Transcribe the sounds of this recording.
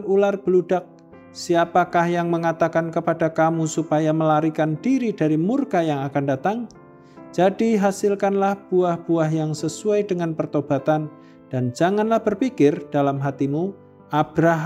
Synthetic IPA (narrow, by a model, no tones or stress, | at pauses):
ularb̥əludak̚ | siapakahjaŋməŋat̪akankəpadakamusupajaməlaɾikandiɾidaɾimurkajaŋakandat̪aŋ | d͡ʒadiɦasɪlkanlahb̥uahb̥uaɦjaŋsəsuajdəŋanpərt̪ob̥at̪an | d̥and͡ʒaŋanlahb̥ərpikɪrd̥alamɦat̪imu | ʔabɾaɦ